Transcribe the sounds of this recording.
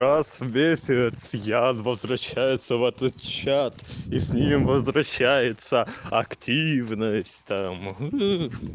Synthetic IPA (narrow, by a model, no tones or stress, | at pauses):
ɾasvmʲesʲɪt̪sjanvəzvɾɐɕːæjɪt̪səvɛt̪ət̪̚t͡ɕat̪isʲnʲimvəzvɾɐɕːæjɪt̪səɐktʲʰivnəsʲtʲt̪am